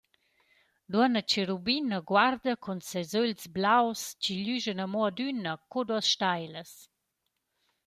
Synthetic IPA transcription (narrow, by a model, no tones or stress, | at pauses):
duənət͡ʃeɾubinəɡwaɾd̪əkʰɔnsazølsblawst͡ʃiʎyʒənamɔadynəkoduəsʃtajləs